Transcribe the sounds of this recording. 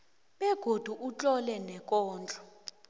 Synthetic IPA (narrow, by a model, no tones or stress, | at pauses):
ɓɛɡ̥ʱod̥ʱuʔut͡ɬʼɔlɛnɛkʼɔːnd͡ɮʼɔ̥